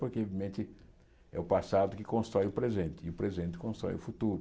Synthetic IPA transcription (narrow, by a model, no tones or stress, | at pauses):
poɾkeovimẽnt̪ɪ | ɛ̰ʊpasad̪ʊkɪkõst̪ɾɔjʊpɾezẽnt̪ɪʊpɾezẽnt̪ɪ̥kõst̪ɾɔ̰jʊfut̪uɾʊ